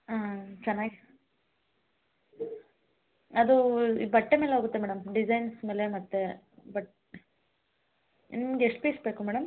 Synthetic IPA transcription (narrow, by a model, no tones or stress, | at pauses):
aːt͡ʃɐnːaːɡ | ɐd̪uibɐʈːemeːleoːɡut̪ːemɛːɽɐmɖid͡ʒɐjnsmeːlemɐt̪ːe | bɐʈ | nɡeʂʈupesbeːkumɛːɽɐm